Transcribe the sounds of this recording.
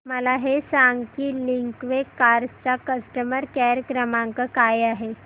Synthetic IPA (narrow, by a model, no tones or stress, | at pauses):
məlaɦesaŋɡkiːliŋkʋekːaɾd͡zt͡sakəsʈəməɾkɛɾəkɾəmãŋkəkajaɦe